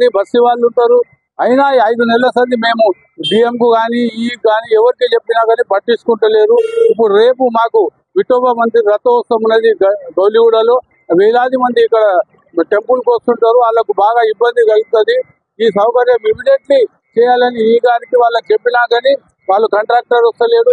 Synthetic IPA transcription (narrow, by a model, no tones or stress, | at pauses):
ibʱɐsːiʋaːɭːuɳʈaːɾu | ɐjnaiɐjd̪unɛlɐsɐnd̪ime̞ːmu | ɖiːemkuɡaːniiːɡaːniɛʋɐɾikit͡ʃe̞pːinaːɡɐniːpɐʈːisu̥kuɳʈule̞ːɾuip̬ːuɽuɾeːpumaːku | ʋiʈoːbɐmɐnd̪iɾɐt̪oːsɐmunːɐd̪iɡɐwliuɽɐloː | ʋɛːlaːd̪imɐnd̪iːkːɐɽɐ | ʈe̞mpulkost̪uɳʈaːɾuaːlːɐkubaːɡaːibːɐnd̪iɡɐlɡut̪ɐd̪i | iːsɐwkɐɾjɐmimiɖjeɳʈli | t͡ʃɛːjaːlɐniiːɡaːɾikiʋaːɭːɐkut͡ʃepːinaːɡani | ʋaːɭːukɐɳʈɾaːk̚ʈɐɾost̪ɐle̞ːd̪u